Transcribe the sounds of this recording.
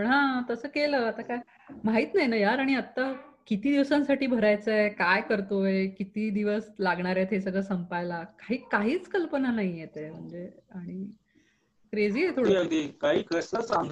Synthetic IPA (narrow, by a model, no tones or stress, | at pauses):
pəɳɦãt̪əsəːkeləːat̪akaj | maɦiːt̪naɦjnajaɾaɽ̃iət̪ːakit̪iːd̪iʋsãnsaʈiːbʱəɾajt͡səekajkəɾt̪oekit̪iːd̪iʋəslaɡɳaɾet̪ʰɦesəɡɭəːsəmpajlakaɦiːkaɦiːt͡skəlpənanaɦijet̪em̤əɳd͡zeaɽ̃i | kɾed͡ziːet̪ʰoɽəd̪iːkaɦiːkəsəsaŋɡ̪ʱ